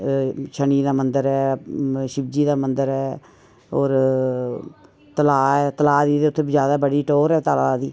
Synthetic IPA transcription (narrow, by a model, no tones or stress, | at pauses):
t͡ʃʰəɳiːd̪aːmənd̪əɾɛːʃɪbd͡ʒiːd̪aːmənd̪əɾɛː | oːɾ | t̪əlaːɛːt̪əlaːd̪iːd̪eːʊt̪ʰːeːbizjaːd̪aːbəɽiːʈoːɾɛːt̪əlaːd̪iː